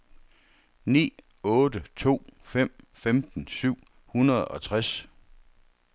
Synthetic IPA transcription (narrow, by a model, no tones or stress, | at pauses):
nḭː | ɔ̽ːdət͡sʰo̝̰ːfem̰femd̥n̩syʊ̰ | hunɐð̞ˠɒ̽t͡sʰʁas